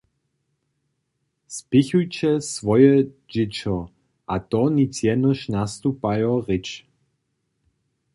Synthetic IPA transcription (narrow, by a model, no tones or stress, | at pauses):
spɪçujt͡ɕɛsvɔjɛ | d͡ʒɪt͡ʃɔ | ʔat̪ɔnit͡sjɛnəʃnast̪upajɔʁɪt͡ʃ